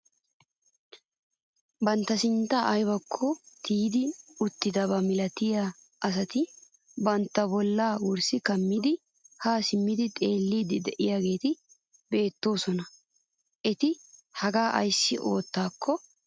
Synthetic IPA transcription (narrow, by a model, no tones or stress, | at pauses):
bɐnt̪ːɐsɪnt̪ːaʔjbɐkʰːɔt̪ʰiːd̪ɪʊt̪ːɪd̪ɐbɐmɪlɐt̪ɪja | ʔɐs̬ɐt̪ɪ | bɐnt̪ːɐbɔlːaːwʊɾsɪkɐmːɪd̪ɪ | haːsɪmːɪd̪ɪt̪ʼe̞ːlːiːd̪ɪd̪ɛʔɪjaːɡe̞ːt̪ɪ | be̞ːt̪ːo̞ːsɔnɐ | ʔɛt̪ɪhɐɡaːʔɐ̰jsːɪʔo̞ːt̪ːaːkʰːɔ